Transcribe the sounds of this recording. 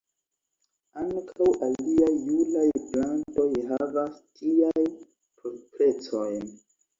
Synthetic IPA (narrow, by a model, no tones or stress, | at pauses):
aŋkʰawʔalliajːulajplanto̞jɦavastʰiaj | pʰospɾe̞t͡sojn